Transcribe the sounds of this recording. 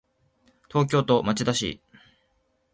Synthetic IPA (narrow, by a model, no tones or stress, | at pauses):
t̪o̞ːk̬ʲo̞ːt̪o̞mat͡ɕid̪aɕḭ